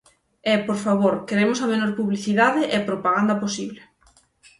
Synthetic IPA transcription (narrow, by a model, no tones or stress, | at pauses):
ɛpoɾfaβoɾkeɾemosɐmẽnoɾpuβliθiðaðɪʔepɾopaɣand̪ɐposiβle